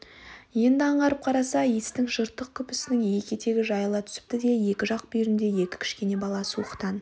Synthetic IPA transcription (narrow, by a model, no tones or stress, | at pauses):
je̞nd̪ɪɑɴʁɑɾəp̚qʰɑɾɑsɑist̪ɪŋʒəɾt̪ːəq̚kʲʰʏpɪsɪnɪŋje̞kʲe̞t̪ʰe̞ɡʲɪʒɑjlˠɑt̪ʰʏ̥sɪ̥p̚t̪ɪd̪e̞je̞kʲɪʒɑq̚bijɾɪnd̪e̞je̞kʲɪ̥kʰʲɪ̥ʃkʲe̞ne̞bɑlˠɑsəwoqə̥t̪ɑn